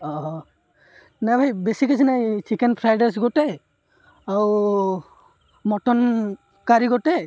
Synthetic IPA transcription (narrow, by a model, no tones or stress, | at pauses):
ɔɔ | nabʱajbesikas̬inajt͡ʃikɛnpʰɾajɖas̬ɡɔtɛ | au | mɔtɔn | kaɾiɡɔtɛ